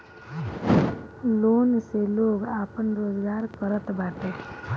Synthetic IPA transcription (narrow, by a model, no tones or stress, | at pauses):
loːnseloːɡaːpənɾoːzɡaːɾkəɾət̪baːʈ̪e